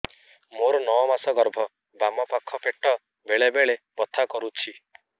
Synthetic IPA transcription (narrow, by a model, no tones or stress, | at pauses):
moɾɔnɔɔmasɔɡɔɾbʱɔ | bamɔpakʰɔpeʈɔ | beɭebeɭebɔt̪ʰakɔɾut͡ʃʰi